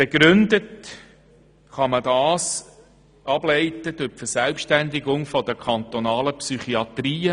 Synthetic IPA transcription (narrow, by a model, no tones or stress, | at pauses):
b̥eɡ̥ɾʏnd̪ət | χɑmədɑːs | ɑb̥lɛɪtəd̪ʊpfəsɛlpʃtænd̪ɪɡʊŋfɔdəkʰɑnt̪ɔnɑːləpsyχiɑt̪riːə